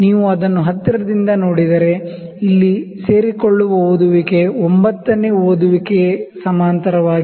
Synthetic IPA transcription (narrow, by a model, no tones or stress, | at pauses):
niːʋuɐd̪ɐnːuɦɐt̪ːɐɾɐd̪ind̪ɐno̞ːɽid̪ɐɾe̞ | ilːise̞ːɾikoɭːuʋɐoːd̪uʋike̞ombɐt̪ːɐneːoːd̪uʋikesɐmaːnt̪ɐɾɐʋaːɡi